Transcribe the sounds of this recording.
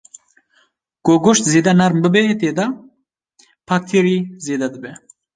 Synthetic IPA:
koɡoʃt̪zeːd̪anaɾmbɨbet̪eːd̪a | pʰak̚t̪ʰiɾizeːd̪ad̪ɨbe

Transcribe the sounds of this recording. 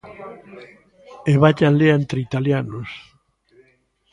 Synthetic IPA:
eβaʎanleent̪ɾeit̪aljanos

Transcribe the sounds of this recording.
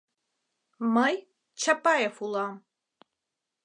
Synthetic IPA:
mɐj | t͡ʃʰapʼajɛfulam

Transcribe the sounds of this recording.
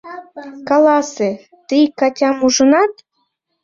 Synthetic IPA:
kɑlɑse | t̪ijkɑtʲɑmuʒənɑt̪

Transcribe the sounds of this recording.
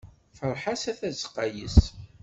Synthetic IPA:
fəɾˤħasæθæzqːɑjə̰s

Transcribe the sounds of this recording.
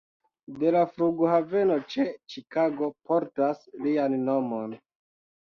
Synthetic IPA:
de̞lafɾuɡohave̞no̞t͡ʃe̞t͡ʃikaɡo̞pʰo̞ɾtaslianːo̞mo̞n

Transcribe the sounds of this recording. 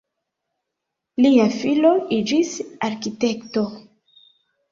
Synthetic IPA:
liafilo̞id͡ʒisaɾkite̞kto̞

